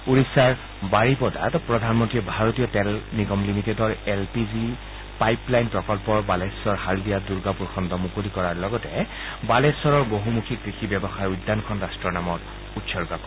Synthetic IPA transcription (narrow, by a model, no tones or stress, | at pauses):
uɹisaɹ | baɹipɔda̰tpɹɔdʱanmɔntiɔbʱaɹotijɔtɛlniɡɔmlimitedɔɹɛlpizi | pajplajnpɹɔkɔlpɔɹbalesɔɹhaldijaduɹɡapuɹxʰɔndɔmukolikɔɹaɹlɔɡɔtɛ | balesɔɹɔɹboɦumukʰikɹixibɛbɔxaɹujdːankʰɔnɹastɹɔnamɔt | utsɔɹɡakɔ